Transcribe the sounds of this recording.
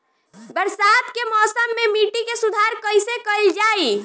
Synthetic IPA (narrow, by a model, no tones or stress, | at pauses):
bəɾsat̪kemɔsəmːemiʈikesud̪ʱaɾkəjsekəld͡ʒai